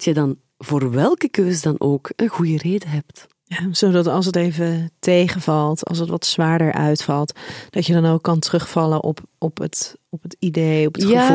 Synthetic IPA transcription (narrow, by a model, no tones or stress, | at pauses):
dtjədɑn | voːrʋɛlˠkəkøːzədɑnoːkənɣujəreːdəɦɛp̚t | jaz̥odɑtɑlˠsətejvətejχəvɑlˠtɑ̰lˠs̬ətʋɑtsʋaːɹdəɹʔœ̰ɥtfɑlˠtd̥ɑtjədɑnowkːɑntrɵχfɑləʔɔpɔpətɔpətidejɔpətjχəa